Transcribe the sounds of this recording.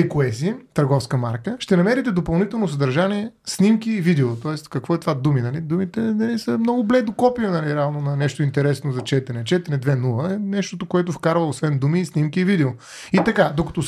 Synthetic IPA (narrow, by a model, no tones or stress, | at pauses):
ɛkoɛsit̪əɾɡɔfskəmaɾkəʃt̪ɛnɐmɛɾit̪ɛd̪opɐlˠnit̪ɛlˠnos̬ɐd̪ɐɾʒaniɛsnimkʲiːvid̪ɛot̪ɔɛst̪kɐkvɔɛt̪vad̪uminɐlid̪umit̪ɛnɐlisəmnɔɡʊblɛd̪okɔpiənɐlʲiɾavnʊnɐnɛʃt̪oʊint̪ɛɾɛsnozɐt͡ʃɛt̪ɛɾɛt͡ʃɛt̪ɛɾɛd̪vɛnulˠəɛnɛʃt̪ot̪okoɛt̪ʊfkaɾvəosvɛnd̪umisnʲimkʲiːvid̪ɛo | it̪ɐkad̪okɐ̥t̪o